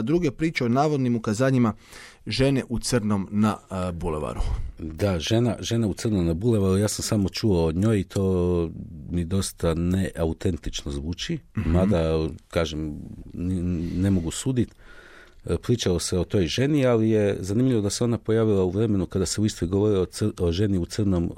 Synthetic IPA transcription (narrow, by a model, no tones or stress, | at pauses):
d̪ɾuɡepɾiːt͡ʃeonaːʋod̪nimukazaːɲima | ʒe̞neʔut̪sərɾno̞mnabulḛʋa̰ɾud̪aʒe̞naʒe̞naut̪sərnomnabule̞ʋaɾujaːsamsaːmo̞t͡ʃuoːɲo̞ːjit̪ʰo̞ː | mid̪o̞st̪aneʔaut̪e̞nt̪it͡ʃnozʋuːt͡ʃimad̪akaːʒem | ne̞mo̞ɡusuːd̪it̪ | pɾiːt͡ʃalo̞seo̞t̪o̞jʒe̞nialije̞zanimʎiʋod̪ase̞o̞napo̞jaːʋilˠauʋɾe̞me̞nukad̪ase̞uist̪ojɡo̞ʋo̞ɾiooʒe̞niut̪sər̩no̞m